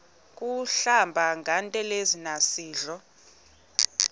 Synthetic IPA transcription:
k̬ʼuɬambʱaŋʱantʼɛlezinasiːɮɔ

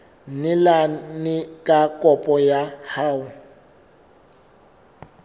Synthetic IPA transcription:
nɪlanɪkʼakʼɔpʼɔjahaːwʊ

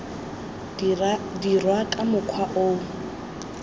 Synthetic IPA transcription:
dirwakʼamʊkʰwaʔo

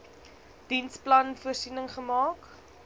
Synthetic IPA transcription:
d̥insplɐnfuərsinəŋχəmɑːk

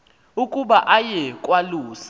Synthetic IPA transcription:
ukʼuɓaʔajɛkʼwaluːsḁ

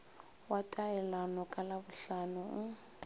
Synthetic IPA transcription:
watʼaɛlanɔkʼalaβʊɬanʊʊ

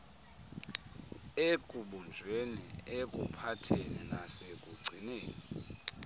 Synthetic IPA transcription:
ekʼuɓund͡ʒʱwenḭekʼṵpʰatʰeninasekʼuɡ͡ǀʱineːni

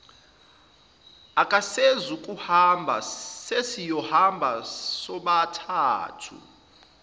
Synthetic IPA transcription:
akʼasezukʼuhambʱa̰sesijɔhambʱasɔɓatʰaːtʰṵ

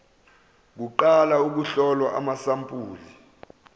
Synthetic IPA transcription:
k̬uǃalauk̬uɬɔlwaʔamasampʼuːli

